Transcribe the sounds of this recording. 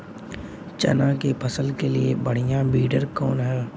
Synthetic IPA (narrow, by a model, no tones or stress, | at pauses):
t͡ʃɐ̰nakepʰəsəlkeliebəɽ̤ijãbiːɖəɾkɔːnɦɛː